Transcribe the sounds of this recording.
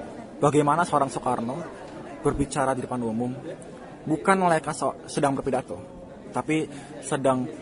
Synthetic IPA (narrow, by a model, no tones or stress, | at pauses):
b̥aɡajmanasəoɾaŋsokarno | b̥ərbit͡ʃaɾadidəpanumʊm | bukanməlaikassədaŋbərpidat̪o | t̪api | sədaŋ